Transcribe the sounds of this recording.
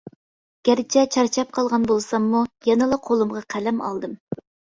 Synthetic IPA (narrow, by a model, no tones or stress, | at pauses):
ɡ̥ʲæɾɪt͡ʃʰɛt͡ʃʰɑɾt͡ʃʰɑp̚qʰɑlˠʁɑnbolˠsɑmːujɑnɨlˠɑqʰolˠumʁɑqʰælɛmɑ̰lˠd̪ɨm